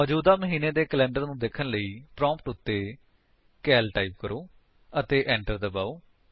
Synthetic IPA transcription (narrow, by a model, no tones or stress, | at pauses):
ɔːd͡ʒuːd̪aːməɦiːneːd̪eːkəlɛ̃ːɳɖəɾnũːd̪eːkʰənləiːpɾɔ̃ːmpʈʊt̪ːeː | kɛːlʈaːip̚kəɾoː | ət̪eːʔɛ̃ːɳʈəɾd̪əbaːoː